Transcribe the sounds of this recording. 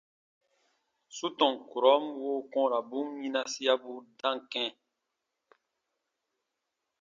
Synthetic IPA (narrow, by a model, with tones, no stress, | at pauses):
su˦tɔ̃˨ŋku˨ɾɔ˨˦mwo˦kɔ̃˦ɾa˨bũ˦ɲĩ˦nã˧si˦a˦bu˦dã˦ŋ˨kɛ̃˦